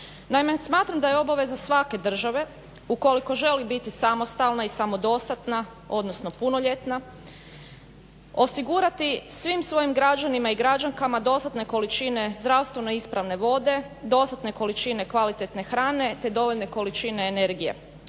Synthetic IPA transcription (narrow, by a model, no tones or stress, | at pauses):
naimesmaːt̪ɾamd̪ajeo̞baʋe̞zasʋake̞d̪r̩ʒaʋe̞ | uko̞liko̞ʒe̞libit̪isamost̪alnaisamo̞d̪o̞st̪at̪na | o̞d̪no̞sno̞punoʎe̞t̪na | o̞siɡuɾat̪isʋimsʋo̞jimɡɾad͡ʒanimaiɡɾad͡ʒaŋkamad̪o̞st̪at̪ne̞ko̞lit͡ʃine̞zd̪ɾaʋst̪ʋe̞noispɾaʋne̞ʋo̞d̪e̞ | d̪o̞st̪at̪ne̞ko̞lit͡ʃine̞kʋalit̪e̞t̪ne̞xɾaːne̞t̪e̞d̪o̞ʋo̞ʎʲne̞ko̞lit͡ʃineːne̞ɾɡije̞̰